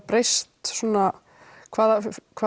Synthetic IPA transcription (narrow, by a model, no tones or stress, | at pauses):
pɾejst̪suɔna | kʰvaːðakʰva